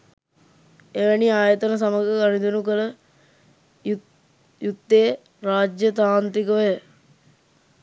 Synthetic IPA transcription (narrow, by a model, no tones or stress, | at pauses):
eʋəniaːjət̪ənəs̬aməɡəɡanid̪unukələ | jut̪ːeː | ɾaːd͡ʒjət̪aːnt̪ɾikəʋəjə